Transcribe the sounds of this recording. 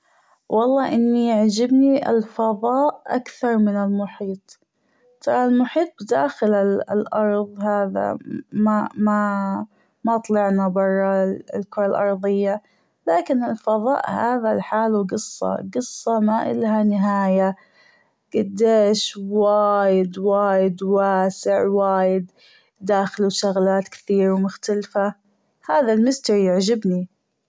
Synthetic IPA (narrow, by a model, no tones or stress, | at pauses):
wʔɑlˤːɑːʔɪnːijaʕd͡ʒɪbniʔɪ̰lfɑðˤɑːʔʔa̰kθɑɾˤmɪnɪlmʊħiːt̪ˤ | t̪ɑɾˤlmʊħiːt̪̚ˤbd̪aːxɪlɪlʔɑɾˤðˤhaːða̰mama | mat̪ˤlɑʕnabɑrˤːɑlkʊɾˤalʔɑɾˤðˤɪjːa | laːkɪnɪlfɑðˤɑ̰ːʔhaːðalħaːluɡɨsˤːɑ̰ɡɨsˤːɑmaʔɪ̰lhanɪɦaːja | ɡ̥ad̪ːeːʃwaːjɪd̪waːjɪd̪waːsɪʕwaːjɪd̪ː | aːxɪluʃʊɣlaːt̪kɪ̥θiːɾwmʊxt̪alfa | haːðalmɪst̪ɑɾijɪʕd͡ʒɪbni